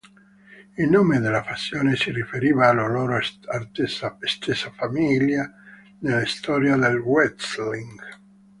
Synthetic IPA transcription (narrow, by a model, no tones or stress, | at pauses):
ilnoːmed̪elːafasːjoːnesirifeɾiːvaːlaloːɾoasaest̪ʰesafamilja | nelist̪ɔːɾjad̪elwɛt̪sliŋɡ